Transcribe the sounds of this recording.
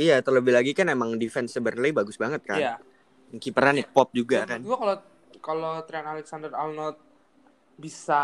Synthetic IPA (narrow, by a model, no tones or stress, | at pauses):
ijat̪ərləbɪhlaɡikanemaŋdifɛnsəbərnləibaɡʊsbaŋət̪̚kaj | mukipəɾanɪpɔp̚d͡ʒuɡakanɡuakalo | kalot̪ɾianalɛksandəralnɔt̪̚ | bisa